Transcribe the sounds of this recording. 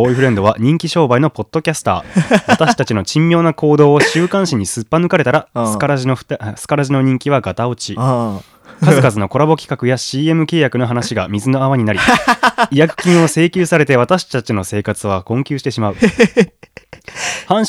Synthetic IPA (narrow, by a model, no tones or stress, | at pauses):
oiɸɯ̟ɾẽ̞nd̪o̞βaɲ̟ĩŋkʲiɕo̞ːbaino̞po̞t̪ːo̞kʲasɨ̥t̪a̰ːt̪aɕi̥t̪at͡ɕino̞t͡ɕĩmʲːjo̞ːnako̞ːd̪o̞ːɕɨːkãɰ̃ɕiɲ̟isɨpːanɯ̟kaɾe̞t̪aɾaskaɾaʑinoɸɯ̥t̪sɨ̥kaɾaʑino̞ɲ̟ĩŋkʲiβ̞aɡat̪ao̞t͡ɕi | kazɨkazɨno̞ko̞ɾabo̞kʲi̥kakɯjaɕiːe̞mɯ̟ke̞ːjakɯ̟no̞ɦanaɕiɡamʲizɨno̞aβaɲ̟inaɾʲiijakɯ̥kʲĩɰ̃o̞se̞ːkʲɨːsaɾe̞t̪e̞β̞at̪aɕi̥t̪at͡ɕino̞se̞ːkat͡sɨβ̞akõ̞ŋkʲɨːɕi̥t̪eɕimaɯ̟ | hãɰ̃